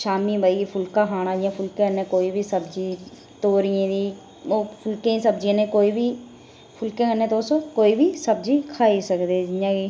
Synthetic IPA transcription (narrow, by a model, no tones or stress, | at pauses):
ʃaːmibʱəipʰʊlkaɦaːñaːd͡ʒijãpʰʊlkẽənːẽkoːibʱisɐbd͡ʒi | t̪oːɾiẽd̪iː | oːpʰʊlkẽsəb̚d͡ʒinẽkoːibʱi | pʰʊlkẽənːẽt̪oːsokoːibʱisəb̚d͡ʒikʰaːisəkd̪ed͡ʒjãki